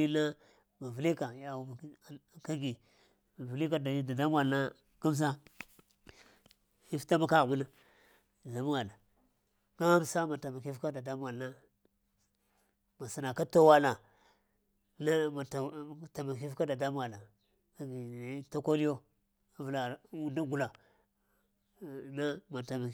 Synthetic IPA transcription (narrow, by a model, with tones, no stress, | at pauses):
i˦na˦ | ma˨vu˨li˦ka˨ja˦u˨bka˦ɡi˨ | ma˨vi˨li˦ka˦dda˨da˦m˦a˨lna˦ | ka˦m˦s̬a˦ | i˦fta˦ma˨ka˦ɣma˦na˦˨ | za˨mu˦wa˨la˨ | ɡa˦msa˦ma˨ta˨ma˨ki˦fka˦da˨da˦m˦wa˨la˦ | ma˨sa˨na˨ka˦to˦wa˦la˨ | na˦ma˨tta˨ma˨ki˦fka˦da˨da˦m˦a˨la˨ | a˦ɡi˨˦ta˦ko˦li˦jo˦ | a˦vu˨la˨u˦nda˦ɡu˨la˨ | na˦ma˨ta˨ma˨